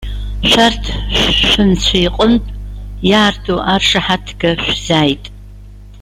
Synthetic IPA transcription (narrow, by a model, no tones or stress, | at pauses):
ʃʷartʰɕʷʃʷɨnt͡ɕʷʰajqʼəmtʼjaːrtʰuʔarʂaħatʰɡɐʃʷz̥aːjtʼ